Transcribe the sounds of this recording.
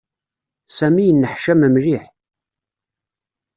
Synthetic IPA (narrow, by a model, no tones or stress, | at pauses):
sæmijənːəħʃæməmliħ